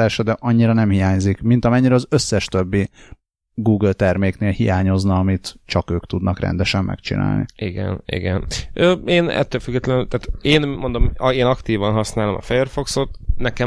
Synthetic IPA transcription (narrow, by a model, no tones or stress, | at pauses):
aːʃɒd̪ɛʔɒɲːiɾɒnɛmhijaːɲzikmint̪ɒmɛɲːiɾɛɒzøsːɛʃt̪ø̞bːi | ɡuːɡlt̪ɛrmeːkneːlhijaːɲo̞znɒɒmit̪t͡ʃɒkøːkt̪ud̪nɒkrɛ̰nd̪ɛʃɛmːɛ̰kt͡ʃḭna̰ːlnḭḭɡɛ̰nḭɡɛnʔøːeːnɛ̰t̪ːøːlfyɡːɛt̪lɛnt̪aːt̪eːnmond̪omeːnɒkt̪iːvɒnɦɒsnaːlomɒ̰fɛjøːrfo̞ksot̪nɛkɛ